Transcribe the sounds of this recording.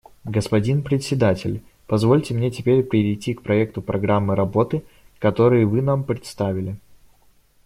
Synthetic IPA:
ɡəspɐdʲinpɾʲɪt̪sʲɪd̪atʲɪlʲ | pɐzvo̞lʲtʲɪmnʲetʲɪpʲeɾʲpɾʲɪɾʲɪjtʲːikpɾɐɛk̚t̪ʊpɾɐɡɾamːɨɾɐbo̞t̪ɨ | kɐt̪o̞ɾɨjɪvɨnampɾʲɪt̪st̪avʲɪlʲɪ

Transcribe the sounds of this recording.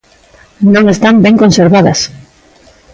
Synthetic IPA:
nõŋest̪ambɛŋkõnseɾβaðɐ̰s

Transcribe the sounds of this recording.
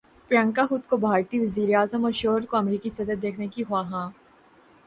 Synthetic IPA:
pɾə̃ŋkaɦʊt̪kobʱaːɾt̪iːʋɐziːɾeaːzəmɔːɾʃoːɦəɾkoɐmɾiːkisɐd̪əd̪eːkʰnekiɦoaɦãː

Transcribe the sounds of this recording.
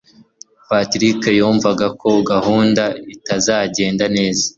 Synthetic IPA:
patɾikejuːɱvaɡakʰo̞ɡahuːndaitazaːɟe̞ːndane̞ːza

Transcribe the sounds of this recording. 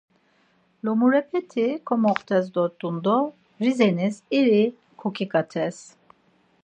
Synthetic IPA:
lɔmuɾɛpʰɛt̪ʰikʰɔmɔχt̪ʰɛzd̪ɔɾt̪ʼund̪ɔ | ɾizɛnisiɾi | kʰɔkʰikʼat̪ʰɛs

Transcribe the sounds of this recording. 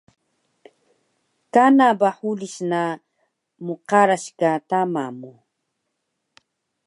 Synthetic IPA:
kanabaħulisna | muqaɾaɕkat̪amamu

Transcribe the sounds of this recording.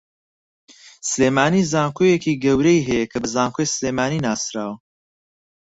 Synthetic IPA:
sɨleːmaːnizaːŋkʰojekiːɡɐwɾɛjɦɛjɛkʰɐbɨzaːŋkʰojsleːmaːniːnaːsɾaːwɐ

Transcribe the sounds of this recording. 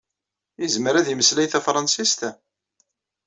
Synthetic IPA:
izməɾæðiməslæjθæfɾˤɑnsist̪æ

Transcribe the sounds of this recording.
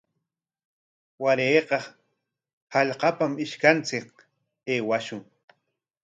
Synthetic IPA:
waɾeːqɑ | haʎqɑpamɪʃkant͡sɪk̚ | eːwaʃʊŋ

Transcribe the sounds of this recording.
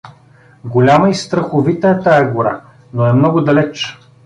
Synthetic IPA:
ɡolʲaməist̪ɾəxʊvit̪əɛt̪ajɐɡʊɾa̰ | noɛmnɔɡʊd̪ɐlɛt͡ʃ

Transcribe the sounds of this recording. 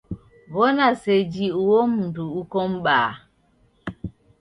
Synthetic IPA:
wɔnased͡ʒiuwomduukɔmɓaː

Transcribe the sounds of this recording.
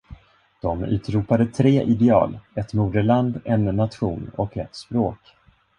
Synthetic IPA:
d̪̥ɔmʉ̟̰ːt̪ɾuːpad̪ət̪ʰɾeːʔɪd̪ɛɑ̰ːlɛt̪muːd̪əɭand̪ɛnːat̪ɧuːnɔkɛ̰t̪spɾoːk

